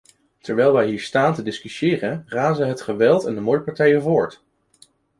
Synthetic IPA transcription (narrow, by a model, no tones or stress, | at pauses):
tɛɹʋɛjlˠʋɛjɦiːɹstaːntədɪskysɪːrənraːzənɦətχəʋɛlˠtɛndəmʊɹəpɑɹtɛjəvʊːɹt